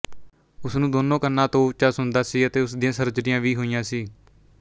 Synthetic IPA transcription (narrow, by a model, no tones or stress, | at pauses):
ʊsnũːd̪oːnõːkənːãːt̪õːt͡ʃasɦʊnd̪aːsiːət̪eːʊsd̪ɪjãːsəɾd͡ʒɾɪjãːʋiːɦoːijãːsiː